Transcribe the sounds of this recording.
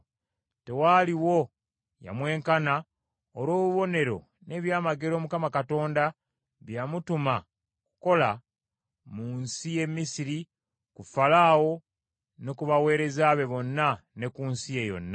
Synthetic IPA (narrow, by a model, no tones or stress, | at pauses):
te̞waliwo̞ | ja̰mwe̞ːŋkana | olwo̞ːβuβo̞ne̞ɾo̞̰ | ne̞ːβjaːmaɡe̞ɾo̞ːmukamakato̞ːnda | βjamutuma | ku̥ko̞la | munsije̞mːisiɾi | kufalaːwo̞ | nokuβawe̞ːɾe̞zaːβe̞βo̞nːane̞kunsije̞jo̞̰nːa